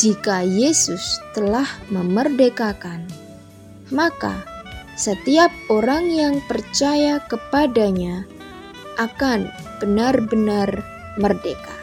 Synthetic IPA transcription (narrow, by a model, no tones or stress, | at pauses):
d͡ʒikajesʊst̪əlahməmərdekakan | maka̰sət̪iap̚oɾaŋjaŋpərt͡ʃajakəpadaɲa | ʔakanb̥ənarbənar | mərdeka